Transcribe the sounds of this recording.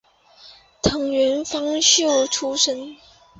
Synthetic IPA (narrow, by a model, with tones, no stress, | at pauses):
t̪ʰɤ˧˥ŋɥɛ˧˥nfɑ˥ŋɕjo˥˩ʊʈ͡ʂʰu˥ʂə˥n